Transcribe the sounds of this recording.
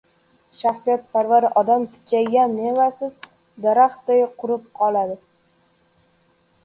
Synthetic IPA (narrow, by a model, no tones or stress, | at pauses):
ʃaχsijat̪̚pʰaɾvaɾɪʔɒd̪amt̪ʰɪ̥kʲʰːajɡʲanːevasɪz | d̪aɾaχt̪̚d̪ajqʰʊɾɪp̚qʰɒlˠad̪ɪ